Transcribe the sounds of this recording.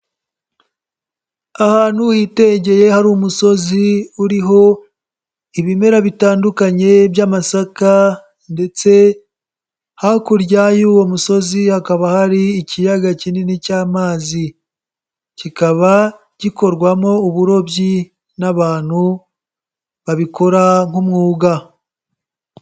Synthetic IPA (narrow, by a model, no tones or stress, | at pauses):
ahaːn̥hujiːte̞ɲɟe̞je̞haɾumuso̞ziuɾiɦo̞ | iβime̞ɾaβitaːndukaɲe̞bjamasaka | nde̞t͡se̞ | hakuɾjajuːwo̞muso̞zihakaβahaɾiːcijaɡacinenicaːmaːzi | cikaβa | ɟiko̞ɾɡwamo̞uβuɾo̞bji | naβaːn̥hu | βaβiko̞ɾaŋumŋuːɡa